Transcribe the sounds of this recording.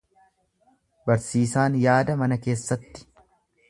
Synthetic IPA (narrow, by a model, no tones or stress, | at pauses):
bɐɾsiːsaːnjaːd̪ɐmɐnɐke̞ːsːɐt̪ːɪ̥